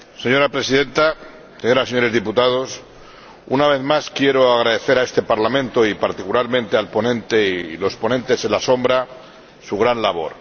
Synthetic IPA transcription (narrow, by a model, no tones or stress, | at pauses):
se̞ɲo̞ɾapɾe̞siðẽ̞nt̪a | seɲo̞ɾaseɲo̞ɾezðiput̪að̞o̞s | unaβe̞ðmaskje̞ɾo̞aɣɾaðe̞θe̞ɾae̞st̪e̞paɾlamẽ̞nt̪o̞ipaɾt̪ikulaɾmẽnt̪ealpo̞nẽ̞nt̪e̞ilo̞spo̞nẽ̞nt̪e̞se̞nlaso̞mbɾa | suɣ̞ɾanlaβo̞̰ɾ